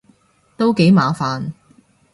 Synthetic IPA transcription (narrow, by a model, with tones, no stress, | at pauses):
t̪o˥wke˨˥jmaː˨˧faː˨n